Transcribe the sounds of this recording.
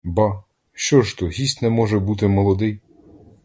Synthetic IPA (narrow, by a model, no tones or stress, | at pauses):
bɑ | ʃt͡ʃɔʃt̪ɔɦʲisʲt̪nɛmɔʒɛbut̪ɪmɔlˠɔd̪ɪj